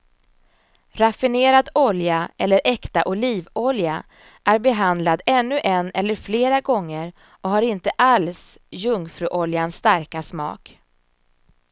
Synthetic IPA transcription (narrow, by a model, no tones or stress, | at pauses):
ɾafɪneːɾad̪ɔljaɛlːəɾʔɛkt̪aʔʊliːvɔlja | ʔæɾbɛɦand̪lad̪ɛnːɵʔɛnːɛlːəɾfleːɾaɡɔŋːəɾ | ɔhaɾɪnt̪əʔals | jɵŋfɾʉːʔɔljanst̪aɾkasmɑ̰ːk